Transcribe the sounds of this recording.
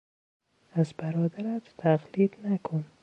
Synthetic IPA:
azbaɾɔd̪aɾat̪t̪ʰaɣlid̪nakʰʊn

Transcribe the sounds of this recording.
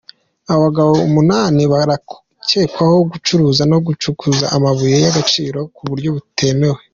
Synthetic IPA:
aββaɡaβo̞umunaːniβaɾa | ce̞ːkwaho̞ɡut͡ʃuɾuːzano̞ɡut͡ʃukʰuza̰ʔamaβujejaɡat͡ʃiːɾo̞kuβuɾɟo̞βutʰe̞me̞we̞

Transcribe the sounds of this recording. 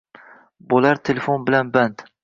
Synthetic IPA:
bolaɾt̪ʰelefonbɪlanbant̪

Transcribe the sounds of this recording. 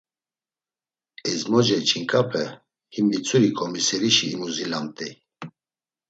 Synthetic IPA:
ɛzmɔd͡ʒɛt͡ʃʰiŋkʼapʰɛ | himit͡sʰʼuɾikʼɔmisɛɾiʃiːmuzilamt̪ʼi

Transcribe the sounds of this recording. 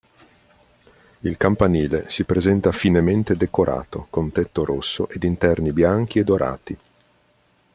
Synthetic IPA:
ilkampaniːlesipɾezɛnt̪afinement̪ed̪ekoɾʔa̰ːt̪okont̪ɛt̪ːoɾosːoʔed̪int̪ɛrnibjaŋk̟ied̪oɾʔa̰ːt̪i

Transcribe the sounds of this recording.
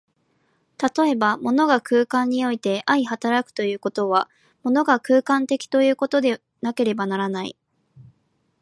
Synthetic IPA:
t̪at̪o̞e̞bamo̞no̞ɡakɯːkãɲ̟ːio̞it̪e̞ʔaihat̪aɾakɯ̥t̪o̞jɯ̟ːko̞t̪o̞βa | mo̞no̞ɡakɯːkãnt̪e̞kʲi̥t̪o̞jɯ̟ːko̞t̪o̞d̪e̞ | nake̞ɾe̞banaɾanaḭ

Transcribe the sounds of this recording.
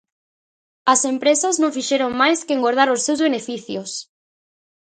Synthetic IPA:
asempɾesaznõŋfiʃeɾoŋmajskeŋɡoɾð̞aɾosːewzβenefiθjos

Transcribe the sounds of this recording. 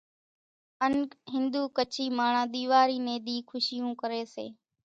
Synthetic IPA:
ənɦɪnd̪uːkət͡ʃʰiːmaːɳãːɗ̪iːʋaːɾiːnẽːɗ̪iːkʰʊʃɪjũːkəɾeːsḛː

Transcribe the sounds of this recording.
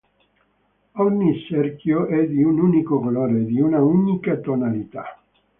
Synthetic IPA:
ɔɲːisɛrkjoʔɛd̪iununikokoloːɾed̪iunaunikat̪onalit̪a̰

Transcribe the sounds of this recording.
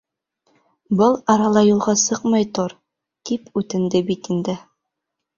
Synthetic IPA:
bɤlˠɑɾɑlˠɑjulˠʁɑsɤqmɑjt̪oɾ | t̪ipʉt̪ɘ̆nd̪ɘbit̪ind̪ɘ

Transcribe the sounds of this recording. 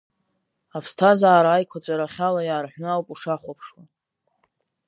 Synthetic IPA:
apʰstʰazaːɾaːjkʷʰat͡ɕʷʼaɾaχʲalajaːrħʷᶣnɨawpʼuʂaχʷapʰʂwa

